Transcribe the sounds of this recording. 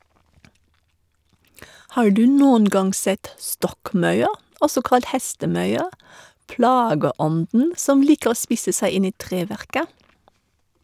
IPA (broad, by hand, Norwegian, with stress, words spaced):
ˈhɑː ˈɖʉː ˈnoːən ˈɡɑŋ ˈsɛt ˈstɔkˌmɑʉə ˈɔsɔ ˈkɑlt ˈhɛstəˌmœʏə ˈplɑːɡəˌɔndn̩ ˈsɔm ˈliːkə ˈoː ˈspɪsə ˈsæɪ ˈɪn ˈiː ˈtʁeːˌʋæʁkə